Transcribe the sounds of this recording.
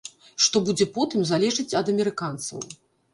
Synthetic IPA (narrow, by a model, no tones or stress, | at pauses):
ʂt̪ɔbud͡zʲɛpɔt̪ɨmzalʲɛʐɨt͡sʲɐd̪ɐmʲɛɾɨkant̪sɐ̰w